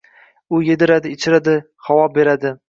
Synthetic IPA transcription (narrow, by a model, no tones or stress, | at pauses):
ʊjed̪ɪɾad̪ɪːt͡ʃʰɪɾad̪ɪ | χawɒbe̞ɾad̪ɪ